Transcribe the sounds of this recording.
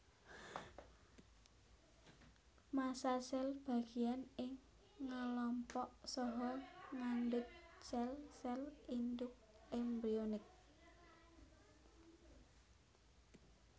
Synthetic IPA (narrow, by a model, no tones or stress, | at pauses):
masasɛlb̥a̤ɡ̥i̤anɪŋː | alɔmpɔʔsɔɦɔŋandʊt̪̚t͡ʃɛlsɛlind̪ʊk̚ | embɾionɪk̚